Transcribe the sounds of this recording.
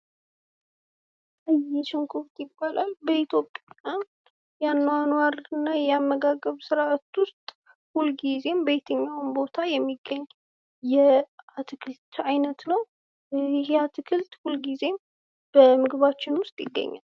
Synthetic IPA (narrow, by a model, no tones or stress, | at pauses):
ɨjɛʃɪŋkʰʼuft̪ʼjɪbːalʔalbəit̪ʰjo̞pʼːjaam | janːwanwaɾɨnːajɛamːəɡaɡəβsɨɾʔat̪wʊst̪ʼ | hulɡize̞mbet̪ʰəɲːawmbo̞t̪ʰajɛmːiɡːəɲː | jɛat̪ʰɨkʰɨlt̪ajnət̪nəw | ɪhat̪ʰɨkʰɨlt̪hulɡize̞m | b̥əmɨɡβat͡ʃːɪnwʊst̪ʼjɪ̰ɡːə̰ɲːa̰l